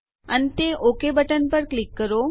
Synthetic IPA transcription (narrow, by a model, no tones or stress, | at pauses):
ənet̪eʔokebəʈənpəɾklikːəɾo